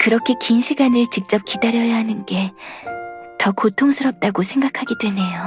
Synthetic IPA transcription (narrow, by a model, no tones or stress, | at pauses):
kɯɾʌkʰe̞kinɕʰiɡanɯɭt͡ɕik̚t͡ɕ͈ʌp̚kidaɾjʌjaɦanɯnɡe̞ | tʌkotʰoŋsʰɯɾʌp̚t͈aɡosʰe̞ŋɡakʰaɡidwe̞ne̞jo